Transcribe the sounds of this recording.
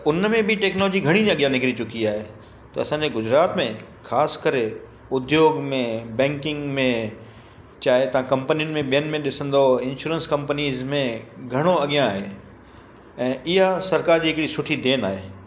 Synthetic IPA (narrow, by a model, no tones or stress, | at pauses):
ʊnmẽbɪʈɛːknɔloːd͡ʑiɡʱɐɽ̃id͡ʑ̃ɐɠijãnɪkɪɾit͡ɕʊkiaːɦe | t̪ɐɐsãːɲd͡ʑeɡʊd͡ʑɾaːt̪mẽ | xaːskɐɾe | ʊd̪joːɡmẽbɛ̃ːŋkɪ̃ŋɡmẽ | t͡ɕaːɦet̪ɐʋ̤ãkɐ̃mpənijʊnɪ̆mẽɓijənɪ̆mẽɗɪsə̃nd̪oɪ̃nʃuːɾənskɐ̃mpəniːzmẽɡʱɐɽ̃oɐɠijãːɦeː | ɛ̃ːʔɪɦasɐɾkaːɾd͡ʑiːɦɪkɪɽisʊʈʰid̪eːnaːɦeː